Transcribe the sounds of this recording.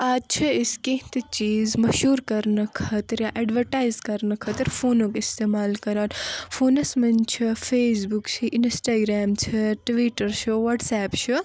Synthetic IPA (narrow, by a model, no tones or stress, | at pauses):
ɐt͡ʃʰɐiskẽɦt̪it͡ʃiːzmɐʃuːɾkɐɾnɐkʰɐt̪ɾjaʔeːɖʋɐɾʈaːjzkɐɾnɐkʰɐt̪ɐɾfʰoːnõːkist̪eːmaːlkɐɾaːt̪fʰoːnɐsmɐnt͡ʃʰifʰeːsbukt͡ʃʰiʔinsʈaːɡɾaːmt͡ʃʰɐʈʋiːʈɐɾt͡ʃʰuʋɐʈsɛːpt͡ʃʰu